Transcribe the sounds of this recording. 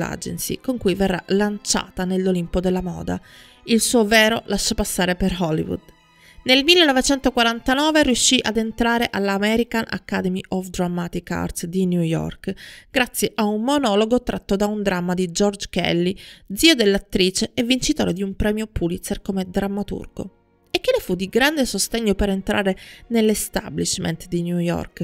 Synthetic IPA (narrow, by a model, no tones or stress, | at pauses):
a̰d͡ʒḛnsḭkoŋkujverːa̰lant͡ʃa̰ːt̪anelːolimpod̪elːamɔ̰ːd̪a | ilsuːovɛːɾolaʃːapasːaːɾeperhɔlːḭvṵd̪ | nelmilːenɔvet͡ʃɛnt̪okwaɾant̪anɔːveɾjuʃːiʔad̪ent̪ɾaːɾeʔalːamɛɾikana̰kːad̪ɛmiʔɔfd̪ɾamːat̪ika̰rt̪sd̪injujɔ̰rkɡ̥ɾat̪sːjeʔaunːonɔːloɡot̪ɾʔat̪ːod̪aund̪ɾamːad̪id͡ʒɔrd͡ʒkɛ̰lːid̪ziːod̪elːat̪ːɾiːt͡ʃeevːint͡ʃit̪oːɾed̪iumpɾɛːmjopulit̪serkomed̪ɾamːat̪ṵrɡo̰ | ekːenefud̪iɡɾand̪esost̪eɲːopeɾent̪ɾʔaːɾenelːest̪a̰bliʃmḛnt̪d̪injujɔ̰rk